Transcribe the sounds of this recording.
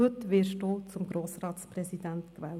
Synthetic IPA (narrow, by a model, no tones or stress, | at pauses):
ɵt̪ʋɪːʃdoːt͡sʊmɡɾoːsɾɑːtt͡spɾɛsidænt̪kʋɛːl